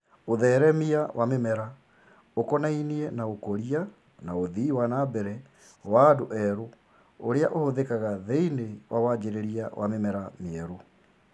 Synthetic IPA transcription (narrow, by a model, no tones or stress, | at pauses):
oðɛːɾɛmiawʔamemɛɾa | okɔnainiɛnaokoɾia | naoðiwanabɛɾɛ | wadoʔɛɾo | oɾeaʔohoðekaɣaðeinewawad͡ʒeɾeɾiawʔa̰memɛɾameɛɾo